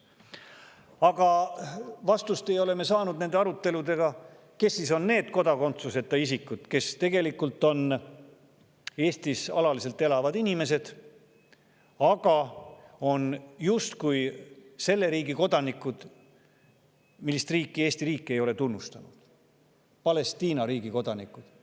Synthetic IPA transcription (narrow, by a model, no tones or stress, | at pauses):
ɑɡ̥ɑ | vɑst̪ust̪e̞jo̞le̞me̞sɑːnud̪̥̚ne̞nd̪̥eɑɾut̪ːe̞lud̪e̞ɡ̥ɑ | ke̞sːiso̞nne̞ːd̪̥ko̞d̪ɑko̞nt̪suse̞t̪ːˑɑisikːˑud̪̥ke̞st̪e̞ɡe̞likːult̪ːˑo̞n | e̞ːst̪isɑ̰lɑlise̞lt̪ːˑe̞lɑvɑd̪inʲime̞s̬e̞d̪̥ | ɑɡ̥ɑ | o̞njust̪kujse̞lːe̞ɾiːɡiko̞d̪̥ɑnikːˑud̪̥ | milːist̪riːkˑːie̞ːsʲt̪iɾiːkˑːe̞jo̞le̞t̪unːust̪ɑnud̪̥ | pɑle̞st̪iːnɑɾiːɡiko̞d̪̥ɑnikːˑud̪̥